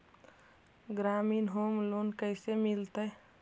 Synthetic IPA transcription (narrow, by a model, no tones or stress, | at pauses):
ɡɾamiːnɦomlonkəɪsemilt̪ə